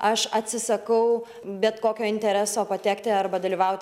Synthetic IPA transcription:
ɐʃɐt̪ʲsʲɪsɐkɐʊ | bʲɛt̪koːkʲoːɪnʲt̪ʲɛɾʲæːsoːpɐt̪ʲæːkt̪ʲɪɐrbɐd̪ɐlʲiːʋɐʊt̪ʲ

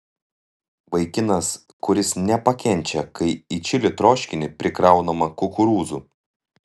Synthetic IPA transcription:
ʋɐɪkʲɪnɐs | kʊɾʲɪsnʲɛpɐkʲɛnʲt͡ʃʲɛkɐɪit͡ʃʲɪlʲɪt̪ɾoːʃʲkʲɪnʲɪpʲɾʲɪkɾɐˑʊnomɐkʊkʊɾuːzu

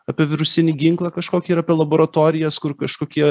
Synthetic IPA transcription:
ɑːpʲiɛʋʲɪɾʊsʲɪnʲiːɡʲɪŋklˠɐkɐʃkoːkʲiiːɾɐːpʲiɛlˠɐboːɾɐt̪oːɾʲɪjɛːskʊrkɐʃkoːkʲiɛ

